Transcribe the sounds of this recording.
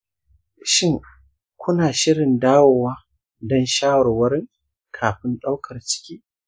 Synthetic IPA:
ʃɪ˦˨ŋ | kʷʊ˦naː˨ʃɪ˦ɽɪ˨ndaː˦woː˨waː˦ | dɔ˦nʃaː˦wɐ˨rwɐ˦ɾɪ˦ŋ | kʰaː˨ɸɪ˦nɗa˦wkʰɐ˨rt͡ʃɪ̥˦kʲiː˦

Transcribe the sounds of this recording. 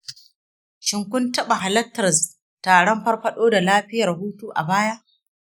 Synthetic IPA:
ʃɪ˨ŋkʷʊ˦ntɐ˦ɓa˨ɦa˨lɐ˦tːɐ˨ɾs | taː˨ɽɔ˦mɸɐ˦rɸɐ˦ɗoː˦da˨laː˦ɸɪ˦jɐ˨rɦuː˦tuː˦ʔa˨baː˦ja˦ʔ

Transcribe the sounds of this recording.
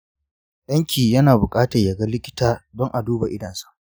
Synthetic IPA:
ɗɐ˦ŋkʲʰiː˨jɐ˦naː˨bʊ˨kʼaː˦tɐ˨jɐ˨ɡa˦lɪ˦kʲɪ˦taː˦dɔ˦ŋʔa˨duː˦ba˨ʔɪ˦dɐ˨nsḁ˦ʔ

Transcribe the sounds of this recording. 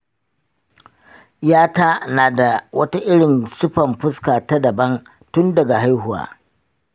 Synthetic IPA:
jaː˦taː˦naː˨da˨wɐ˦ta˦ʔɪ˦ɽɪ˨nsʊ˦ɸɐ˨mɸʊ˦skaː˨ta˦dɐ˨bɐ˦n | tʊ˦ndɐ˨ɡa˨ɦa˦jhʊ˨wa̰ː˨

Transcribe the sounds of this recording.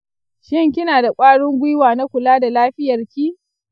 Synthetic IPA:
ʃɪ˦ŋkʲɪ˦naː˨da˨kʷʼaː˦ɽʊ˦ŋɡʷʊ˦jwaː˨na˦kʷʊ˨laː˦da˨laː˦ɸɪ˦jɐ˨rkʲiː˦

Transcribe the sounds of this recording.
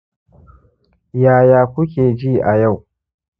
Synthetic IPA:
jaː˨jaː˨kʷʊ˦kʲeː˨d͡ʒiː˦˨ʔa˨ja˦˨w

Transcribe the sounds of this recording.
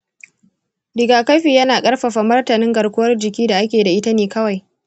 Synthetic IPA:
dɪ˨ɡaː˨ka˦jɸiː˨jɐ˦naː˨kʼɐ˦rɸɐ˨ɸa˨mɐ˦rtɐ˨nɪ˦ŋɡɐ˨rkʷʊ˦wɐ˦rd͡ʒɪ˨kʲiː˦da˨ʔa˦kʲeː˨da˨ʔɪ˦ta˦neː˨kɐ˦wa˨j

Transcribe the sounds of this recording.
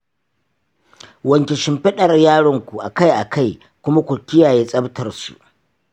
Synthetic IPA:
wɐ˨ŋkʲɛ˨ʃɪ˦mɸɪ˦ɗɐ˨rjaː˦ɽɪ˨ŋkʷu˨ʔa˨ka˦jʔa˨kʰa˦˨j | kʷʊ˦ma˦kʷʊ˨kʲɪ˦jaː˨jeː˦sʼɐ˦btʰɐ˨rsṵ˨ʔ

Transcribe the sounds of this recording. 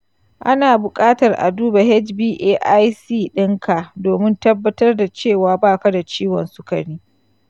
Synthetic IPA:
ʔa˦naː˨bʊ˨kʼaː˦tɐ˨rʔa̰˨duː˦ba˨ɦɛ˦d͡ʒbiː˦ʔeː˦ʔa˦jsiː˦˨ɗɪ˦ŋkʰa˨ʔdoː˨mɪ˦ntɐ˦bːɐ˦tɐ˦rda˨t͡ʃeː˦˨waː˨baː˦˨ka˦da˨t͡ʃiː˦wɔ˨nsʊ˦kɐ̰˨ɽiː˦

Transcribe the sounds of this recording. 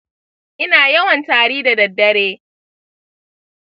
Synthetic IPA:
ʔɪ˦naː˨jɐ˦wɐ˨ntaː˨ɽiː˦da˨dɐ˨dːɐ˦ɽeː˦

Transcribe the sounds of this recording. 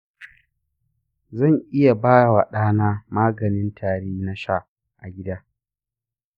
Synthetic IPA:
zɐ˦˨ŋʔɪ˦ja˨baː˦ja˨wa˨ɗaː˦naː˦maː˦ɡɐ˨nɪ˦ntʰaː˨ɽeː˦na˦ʃa˦˨ʔ | ʔa˨ɡʲɪ˦daː˦

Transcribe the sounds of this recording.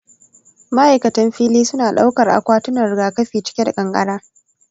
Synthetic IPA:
mɐ˦ʔa˨jkɐ˨tɐ˦mɸiː˦liː˦sʊ˦naː˨ɗa˦wkɐ˨rʔa̰˨kʷaː˦tʊ˦nɐ˨rɡaː˨kɐ˦ɸiː˨t͡ʃɪ̥˦kʲe˦da˨kʼɐ˨ŋkʼɐ˦ɽaː˦

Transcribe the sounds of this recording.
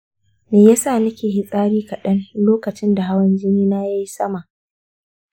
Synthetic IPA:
meː˨ja˦saː˦˨nɐ˦kʲeː˨ɦɪ˦sʼaː˦ɾiː˦kɐ˨ɗɐ˦n˦loː˦kɐ˨t͡ʃɪ˦nda˨ɦa˦wɐ˦nd͡ʒɪ˦niː˦na˦ja˦ji˦sɐ˦ma˨ʔ

